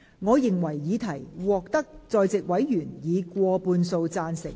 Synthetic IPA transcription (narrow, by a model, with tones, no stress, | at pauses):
ŋɔː˨˧jɪ˨ŋwɐ˨˩jːiː˨˧t̪ʰɐ˨˩jwɔː˨k̚t̪ɐ˥k̚t͡sɔː˨jt͡sɪ˨k̚wɐ˨˥jjyː˨˩njiː˨˧kʷwɔː˧puː˧nso˧wt͡saː˧nsɪ˨˩ŋ̚